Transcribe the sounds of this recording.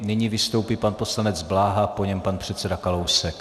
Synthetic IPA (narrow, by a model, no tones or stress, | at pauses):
nɪɲivɪst̪o̞wpiːpanpo̞slanɛd͡zblaːɦapo̞ɲɛmpanpr̝̥ɛt̪sɛdakalo̞wsɛk